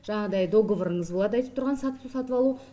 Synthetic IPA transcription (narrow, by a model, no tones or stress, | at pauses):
ʒ̥ɑɴɑd̪ɑjd̪o̞ɡovəɾəɴəzbolˠɑd̪əɑjt̪əp̚t̪ʰʊɾʁɑnsɑt̪t̪usɑt̪əpɑlˠu